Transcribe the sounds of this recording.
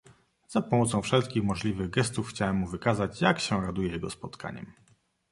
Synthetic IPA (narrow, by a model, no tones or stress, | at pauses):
zapɔmɔt̪sɔ̃w̃fʂɛlt̪̚kʲixmɔʐlʲivɘɣɡɛst̪ufxt͡ɕawɛmːuvɘkazat͡ɕjakɕɛɾad̪ujɛjɛɡɔspɔt̪kʰa̰ɲɛ̰m